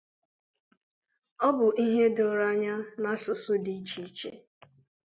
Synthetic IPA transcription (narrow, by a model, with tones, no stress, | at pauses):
ɔ˦bʊ˨ʔi˦ɦe˦dɔ˨ɾa˦ɲa˦na˦sʊ˨sʊ˦di˦t͡ʃi˨˦t͡ʃḛ˦